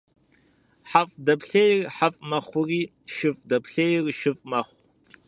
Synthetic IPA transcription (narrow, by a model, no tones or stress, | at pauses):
ħafʼdɐpɬejrħafʼmɐχʷʊriː | ʃɨfʼdɐpɬejrʃɨfʼmɐχʷ